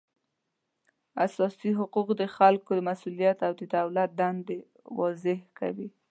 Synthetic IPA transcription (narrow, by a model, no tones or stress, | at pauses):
asɑsiɦʊquqd̪əxalkod̪əmasulijat̪awd̪əd̪awlat̪̚d̪and̪e | wɑzɪhka̰wi